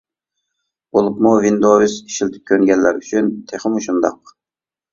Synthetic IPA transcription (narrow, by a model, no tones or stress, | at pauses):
bolˠupmuvind̪ovisiʃilt̪ʰɪ̥p̚kʲʰøŋɡʲɛlːæ̰ɾyt͡ʃʰynt̪ʰeχɪmuʃund̪ɑ̰q̚